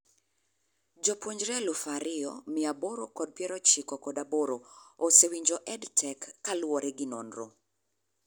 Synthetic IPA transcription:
d͡ʒɔpwoɲd͡ʒɾɛlufaɾɪɔ̰mɪaboɾokɔd̚pjɛɾɔt͡ʃikɔkɔdaboɾoosewiɲd͡ʒɔʔɛdtʰɛkːalwɔɾɛɡɪnɔ̰nro

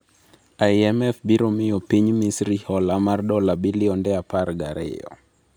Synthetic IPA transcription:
aiɛmɛfbiɾomɪjopiɲmisɾihɔlamardɔlabilɪɔndɛapaɾɡaɾɪ̰jɔ̰

